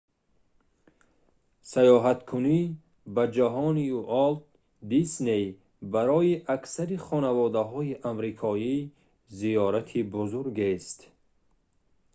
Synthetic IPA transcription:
sajɔɦat̪kʰuni | bad͡ʒaɦɔniuʔɔlt̪ | d̪isnej | baɾɔjiʔaksaɾiχɔnavɔd̪aɦɔiʔamɾikʰɔi | zijɔɾat̪ʰibuzuɾɡest̪

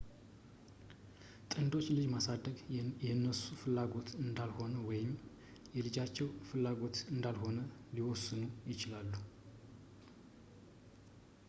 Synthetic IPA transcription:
t̪ʼɨnd̪o̞t͡ʃːlɨd͡ʒmasad̪ːəɡjɛnːəsufɨlːaɡo̞t̪ɨnd̪alho̞nəwɔjɪm | jɛlɨd͡ʒat͡ʃːɛwfɨlːaɡo̞t̪ɨnd̪alho̞nəliwɔsːɨnujɪt͡ʃɪlalːu

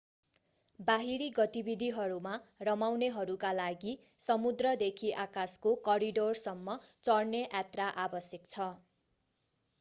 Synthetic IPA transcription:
baɦiɾiɡʌt̪ibid̪ʱiɦʌɾumarʌmawneɦʌɾukalaɡi | sʌmud̪rʌd̪ekʰiʔakaskokʌɾiɖorsʌmːʌt͡sʌrneʔat̪raʔabʌsjekt͡sʰʌ

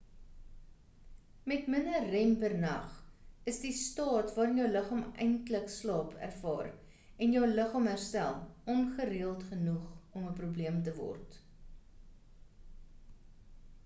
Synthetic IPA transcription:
mɛtmənərɛmbərnɐ̰χəsdistɑːtvɑːɾənjœwləχɑːmɛjntləkslɑːpʰæ̰rfɑ̰ːr | ɛnjœwləχɑːmɦærstælˠʔɔmχəriəlˠtχənuχɔməprubliəmtəvɔ̰rt

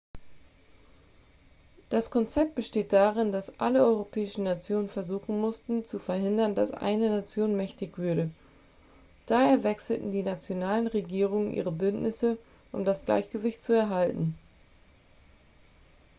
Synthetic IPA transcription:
d̥askʰɔnt͡sɛp̚t̚b̥əʃteːt̚d̥aːʁ̞ɪnd̥asʔa̰ləɔʏʁopʰɛːɪʃn̩nat͡sjoːnənfɛɐzuːχn̩mʊstn̩t͡sufɛɐɦɪndɐnda̰sʔa̰ɪnənat͡sjoːnmɛçtɪçv̥ʏɐɾə | d̥aːheːɐvɛksl̩tn̩diːnat͡sjonaːlənʁeɡiːʁ̞ʊŋənʔḭːʁ̞əbʏntnɪsə | ʔʊmdasɡ̥la̰ɪçɡ̥əvɪçt̚t͡suɛɐɦaltn̩

